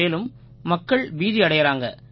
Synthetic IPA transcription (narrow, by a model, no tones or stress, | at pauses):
eːlɯmː | ɐkːɐɭʋiːðiɐɽɐjɐɾaːŋɡɐ̰